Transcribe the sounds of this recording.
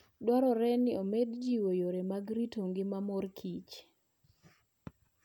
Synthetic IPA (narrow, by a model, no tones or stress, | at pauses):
dwaɾɔɾɛnɪomedd͡ʒiwojoɾemaɡɾitoŋɡɪmamɔrkʰit͡ʃ